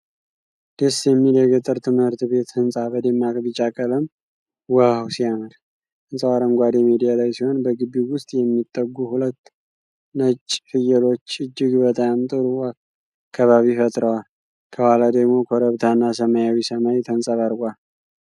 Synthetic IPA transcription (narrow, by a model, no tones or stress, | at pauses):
d̪̥esjɛmːid̪əɡət̪ʼːɨɾt̪ʰɨmhɨɾt̪βe̞t̪hɨnsʼabəd̪emːakʼbɨt͡ʃʼakʼələm | wəhawsijaməd̪ | hɨnsʼəwaɾəmɡʷad̪emid̪ijalajsiho̞nbəɡɨbːiwʊst̪ʼjɛmːit̪ʼːəɡuhulət̪ː | nət͡ʃʼːfɨjəlo̞t͡ʃːɨd͡ʒːɪɡbət̪ʼamt̪ʼɨɾua | kʰːaβaβifət̪ʼɾəwal | kʰəwalad̪əɡmo̞kʰoɾəβt̪ʰanːasəmajawisəmajt̪ʰənsʼəβaɾɡʷal